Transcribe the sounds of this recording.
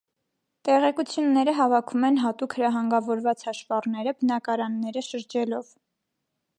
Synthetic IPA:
t̪ɛʁɛkut͡sʰjunːɛɾəɦɑvɑkʰumɛnɦɑt̪ukhəɾɑɦɑŋɡɑvɔɾvɑt͡shɑʃvɑrnɛɾəbənɑkɑɾɑnːɛɾəʃəɾd͡ʒɛlɔv

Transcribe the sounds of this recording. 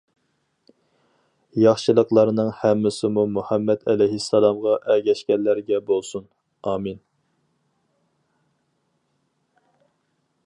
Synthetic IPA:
jɑχʃɨlˠəqlˠɑɾnɨŋhɛmːɪsɪmumuhɛmːɛd̪ɛlɛjɦisːɛlˠɑmʁɑʔɛɡʲɛʃkʲɛnlːæɾɡʲɛbolˠsun | ɑːmin

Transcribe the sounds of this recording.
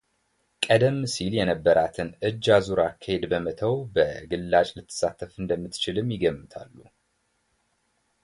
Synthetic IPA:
kʼəd̪əmːɨsiljɛnəbːəɾʔat̪ʰɨnɨd͡ʒːazuɾakʰːəhe̞d̪bəmət̪ʰəwbəɡɨlːat͡ʃʼlɨt̪ʰːɨ̥sːat̪ʰːəfɨnd̪əmːɨt̪t͡ʃɪlɨmjɪɡəmːɨt̪ʰalːu

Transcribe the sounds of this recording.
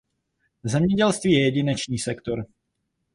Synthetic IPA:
zɛmɲɛɟɛlst̪viːjɛjɛɟɪnɛt͡ʃɲiːsɛkt̪o̞ɾ

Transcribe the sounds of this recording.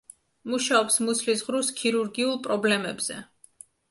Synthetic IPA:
muʃaɔpsmuslisʁɾuskʰiɾuɾɡiulˠpʼɾɔblɛmɛbz̥ɛ̰

